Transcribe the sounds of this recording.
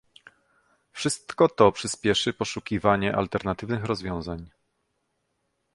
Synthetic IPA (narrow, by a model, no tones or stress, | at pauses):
fʂɘst̪kɔt̪ɔpʂɘspʲjɛʂɘpɔʂukʲivaɲɛʔa̰lt̪ɛɾnat̪ɘvnɘxɾɔzvʲjɔ̃w̃zaɲ